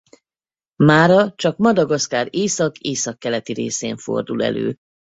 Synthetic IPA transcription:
maːɾɒt͡ʃɒkmɒd̪ɒɡɒskaːɾeːsɒkeːsɒkːɛlɛt̪iɾeːseːɱfo̞̰rd̪ulɛ̰lø̰ː

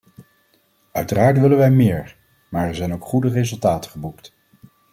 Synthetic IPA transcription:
œɥtəraːɹtʋɪlənʋɛjmɪːɹ | maːɹɛɹzɛjnowkχudərezɵlˠtaːtəχəbukt

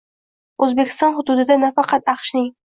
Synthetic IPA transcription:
ʔɵzbekʲɪ̥st̪ɑnχʊd̪ud̪ɪd̪anafɑqɑt̪ɑqʃnɪŋ

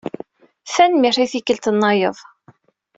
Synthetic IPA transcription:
θænmiɾiθikːəlt̪ənːɑjəðˤ

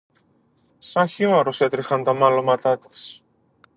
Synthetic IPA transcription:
sɐnçimɐɾose̞t̪ɾixɐnt̪ɐmɐlomɐt̪ɐt̪i̥s

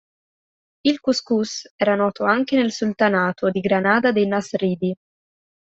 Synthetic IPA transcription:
ilkuskusɛːɾanɔːt̪oaŋkenelsult̪anaːt̪ʰod̪iɡɾanaːd̪ad̪ejnasriːd̪i

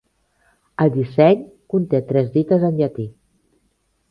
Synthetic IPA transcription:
əld̪isɛɲkunt̪et̪ɾɛzðit̪əzənʎat̪i

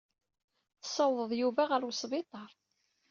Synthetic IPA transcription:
θə̥sˤɑwðˤəðˤjuvæʁəɾwsˤvɪt̪ˤɑɾˤ

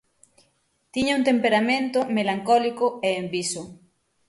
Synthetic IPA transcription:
t̪iɲaũnt̪empeɾamẽnt̪omelaŋkɔlikoeːmbiso

